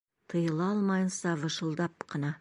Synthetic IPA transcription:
t̪ʰəjəlˠɑlˠmɑjənsɑvəʃəlˠd̪ɑpqʰɑnɑ

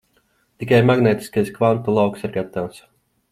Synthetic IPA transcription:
t̪ik̬ajmaɡnɛt̪i̥skajskvant̪ulˠawksiɾɡat̪aws

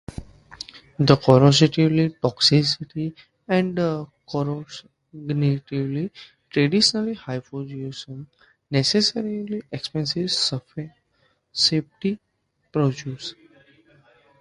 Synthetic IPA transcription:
d̪əkɔɾɔsiʈiʋliʈɔksisiʈi | ɛ̃ɳɖd̪əkɔɾo | ɡniʈiʋli | ʈɾeɖiʃənəlihaɪpod͡ʒusə̃n | nesesəɾiliʔekspẽnsiʋsf | sep̚ʈi | pɾod͡ʒjuːs

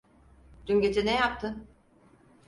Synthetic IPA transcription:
d̪̥yɲɟet̪ʰinɛjap̚t̪ʰɯ

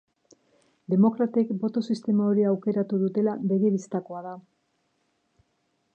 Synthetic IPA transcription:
d̪e̞mo̞kɾat̪e̞kbo̞t̪o̞sist̪e̞maoɾiawke̞ɾat̪uðut̪e̞labe̞ɣiβist̪ako̞aða

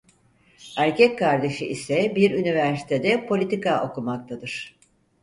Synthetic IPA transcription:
æɾcɛckaɾd̪e̞ʃɯʔisɛbiɾynivæɾsi̥t̪ʰed̪ɛpʰo̞lʲit̪ikaʔo̞kumak̚t̪ʰad̪ɯɾ̥

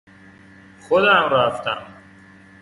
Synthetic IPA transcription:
xod̪æmɾæft̪ʰæ̰m

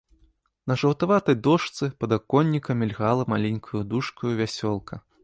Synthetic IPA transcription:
nɐʐɐwt̪avat̪ɐjd̪ɔʂt̪sɨpɐd̪akɔnʲːikɐmʲɛlʲɣalˠɐmalʲɛnʲkʰujud̪uʂkujuvʲasʲɔlˠkʰɐ

